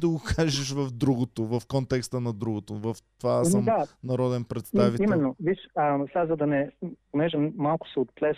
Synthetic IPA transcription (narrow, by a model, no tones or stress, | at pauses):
d̪ɐɡokʰaʒɛʃvɐvd̪ɾuɡot̪ovɐfkɔnt̪ɛkst̪ənɐd̪ɾuɡot̪ovɐft̪vasmd̪anɐɾɔd̪ɛnpɾɛt̪saviimɛnːoviʃəsʲazɐd̪ɐnɛponɛʒɛmalˠkʊ̥sɛot̪̚plɛs